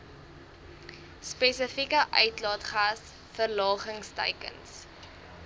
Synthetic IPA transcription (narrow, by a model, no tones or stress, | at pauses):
spɛsəfikəʔœ̰ɥtlɑːtχas | fərlɑːχəŋstə̰jkə̰ns